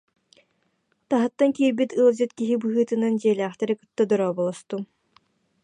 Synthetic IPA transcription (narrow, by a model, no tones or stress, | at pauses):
t̪aɦɯt̪ːaŋkiːɾbit̪ɯlˠd͡ʑɯt̪kiɦibɯɦɯːt̪ɯnand͡ʑiɛlæːχt̪ɛɾikɯ̥t̪ːad̪ɔɾɔːbɔlˠɔst̪u